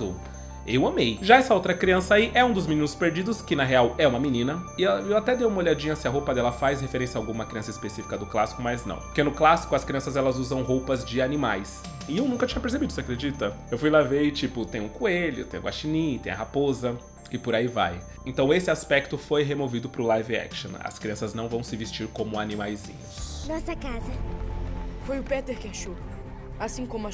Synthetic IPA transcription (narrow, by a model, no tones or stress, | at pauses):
ʊ | ewɐ̃mejʒaɛsɐowt̪ɾɐkɾiɐ̃sɐaiʔɛũd̪ʊzmĩnĩnʊspeɾd͡ʒid̪ʊskɪnɐɦeawɛũmɐmĩnĩnɐɪɛewat̪ɛd̪ewumɐoʎad͡ʒĩɲɐsɪɐɦowpɐd̪ɛlɐfajshefeɾẽsjɐaawɡũmɐkɾiɐ̃sɐispesifi̥kɐd̪ʊklasi̥kʊmɐznɐ̰̃w̃poɾkenʊklasi̥kʊɐskɾiɐ̃sɐzɛlɐzuzɐ̃w̃ɦowpɐzd͡ʒɪanimajs | ɪewnũŋkɐt͡ʃĩɲɐpeɾs̬ebid̪ʊsɪakɾed͡ʒit̪ɐewfujlavejɪt͡ʃipʊt̪ẽj̃ʊ̃kueʎʊ̰t̪ẽj̃ʊ̰̃ɡwaʃinĩt̪ḛ̃j̃ɐɦapozɐ | kɪpʊɾaiva̰j | ẽnt̪ɐ̃w̃esɪaspɛk̚t̪ʊfojɦemovid̪ʊpɾʊlajviɛ̰kʃõ̰nɐ̰skɾiɐ̃sɐznɐ̃w̃vɐ̃w̃sɪvest͡ʃiɾkõmʊanĩmajzḭ̃ɲʊsnɔsɐkazɐ | fojʊpɛt̪eɾkɪaʃo | asĩkõmʊa